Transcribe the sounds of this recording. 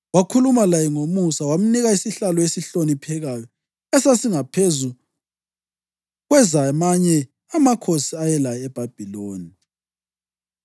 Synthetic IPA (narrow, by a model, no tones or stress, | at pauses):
wakʰulumalajɛŋomusawam̩niɣaisiɬalɔesiɬonipʰɛɣajɔ | ɛsasiŋapʰezu | ɣwɛzamaɲɛ | amakʰosiajɛlajɛb̥ʱab̥ʱiloːni